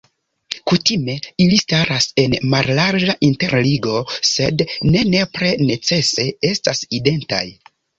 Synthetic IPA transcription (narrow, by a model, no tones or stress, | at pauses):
kutime̞ilistaɾase̞nmallaɾd͡ʒaʔinte̞ɾliɡo̞se̞dne̞ne̞pɾe̞ne̞t͡se̞se̞e̞staside̞nta̰j